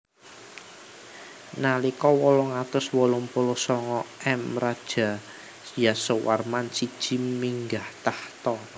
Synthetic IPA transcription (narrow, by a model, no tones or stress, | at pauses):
nalikɔwɔlɔŋat̪ʊswɔlʊmpolɔsɔŋɔɛmrad̥ʒ̥ä̤ | jasəwarmansid̥ʒ̥i̤miŋɡaht̪aht̪ɔr